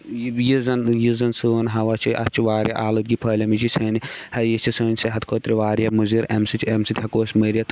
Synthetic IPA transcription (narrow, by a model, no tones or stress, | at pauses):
jizɐnjizɐnsuːnɦɐʋɐt͡ʃʰiʔɐ̰t͡ʃʰiʋaːɾjɐʔaːlɨt̪̚ɡipʰɐːlʲɐmit͡ʃʰisɐːnihɐjit͡ʃʰisɐːnʲseɦɐt̪kʰoːt̪ɾiʋaːɾjɐmuziɾɐmsit͡ʃʲʰemsit̪ʲhɐkoːsʲməɾʲɐt̪